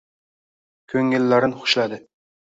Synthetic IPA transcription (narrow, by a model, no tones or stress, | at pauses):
kʲʰɵŋɪlːaɾɪnχʊ̥ʃlad̪ɪ